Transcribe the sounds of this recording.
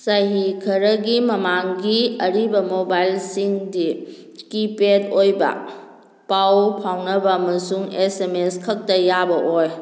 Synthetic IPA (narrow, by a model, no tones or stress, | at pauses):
sajɦikʰɐɾɐɡimɐmaŋɡiɐɾibɐmobajlsiŋdi | kipedojbɐ̰ | pawpʰawnɐbɐɐmɐsuŋesemeskʰɐk̚tɐjabɐʔoj